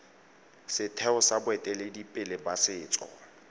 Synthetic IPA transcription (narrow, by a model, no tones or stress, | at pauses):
sɪtʰɛʊsabʊɛtʼɛledipʼɪlɪbasɪːt͡sʼɔ̰